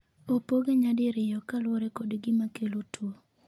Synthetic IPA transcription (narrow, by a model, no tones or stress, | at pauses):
opoɡeɲadɪɾɪjɔkalwɔɾɛkodɡɪmakelotwo